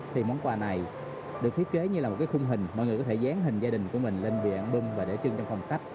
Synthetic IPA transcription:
t̪ʰi˨˩mɔ˨˦nkwaː˧na˨˩j | ɗɨ˨˩ək̪̚ʰi˦˥t̚ke˨˦ɲɨ˧aː˨˩mo˨˩t̚kaː˨˦xʊ˧ŋ͡mɦï˨˩ŋ̟mɔ̰˧˨jjkɔ˨˦e˧˩zaː˨˦ŋɦï˨˩ŋ̟zaː˧ɗï˨˩ŋ̟ku˧˩əmï˨˩ŋ̟le˧nvḭ˧˨ənɓɨ˧ŋvaː˨˩ɗe˧˩t͡ɕɨ˧ŋt͡ɕwŋ͡mfa˧wŋ͡mka˦˥k̚

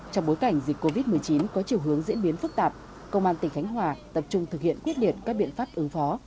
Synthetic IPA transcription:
t͡ɕɔ˧wŋ͡mɓo˨˦jka˧˩jŋ̟zi˨˩k̟kːo˧vi˦˥t̚mɨ˨˩əjt͡ɕi˨˦nkɔ˨˦t͡ɕi˨˩əwɦɨ˨˦əŋzḭ˧˥ənɓi˨˦ənfɨ˦˥k̚t̪aː˨˩p̚ | kə˧wŋ͡mʔaː˧nt̪ï˨˩ŋ̟xa˨˦jŋ̟ɦwaː˧˩t̪ə˨˩p̚t͡ɕʊ˧ŋ͡mt̪ʰɨ˨˩k̚hḭ˧˨ənkwi˦˥ət̚ɗi˨˩ənkaː˦˥k̚ɓḭ˧˨ənfaː˦˥p̚ʔɨ˨˦ŋfɔ˨˦

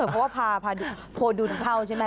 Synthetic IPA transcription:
ɤ˨˩pʰɔ˦˥waː˥˩pʰaː˧pʰaː˧du˨˧ | pʰoː˧du˧˩t̪pʰa˥˩wt͡ɕʰa˥˩ma˦˥

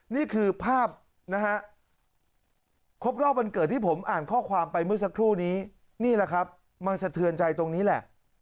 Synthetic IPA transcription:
niː˥˩kʰɯː˧pʰaː˥˩p̚ | na˦˥ɦa˦˥ʔ | kʰo˦˥p̚ɾɔː˥˩p̚ma˧nkɤ˨˩t̪ʰːiː˥˩pʰo˩˦mʔaː˨˩nkʰɔː˥˩kʰwaː˧mpa˧jmɯ˥˩ɐs̬a˦˥kʰɾuː˥˩niː˦˥ | niː˥˩lɛ˨˩kʰa˦˥p̚ | ma˧nsa˧t̪ʰɯ˧ənt͡ɕa˧jt̪o˧ŋniː˦˥lɛ˨˩ʔ

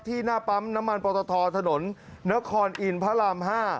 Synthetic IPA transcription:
t̪ʰiː˥˩naː˥˩pa˦˥mna˦˥mːa˧npɔː˧t̪ɔː˧t̪ʰɔː˧t̪ʰa˧no˩˦nːa˦˥kʰɔː˧nʔi˧npʰa˦˥laː˧mɦaː˥˩

